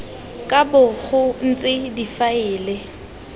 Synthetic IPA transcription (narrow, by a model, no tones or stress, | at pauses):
kʼabʊɣʊn̩t͡sʼɪdifaɪːle